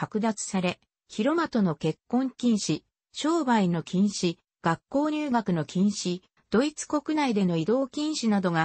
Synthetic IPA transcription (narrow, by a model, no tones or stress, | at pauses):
akɯ̟d̪at͡sɨ̥saɾe̞ | çiɾo̞mat̪o̞no̞ke̞kːõ̞ŋkʲĩɰ̃ɕi | ɕo̞ːbaino̞kʲĩɰ̃ɕi | ɡ̥akːo̞ːɲ̟ʲɨːɡakɯ̟no̞kʲĩɰ̃ɕi | d̪̥o̞it͡sɨ̥ko̞kɯ̟naid̪e̞no̞id̪o̞ːkʲĩɰ̃ɕinad̪o̞ɡa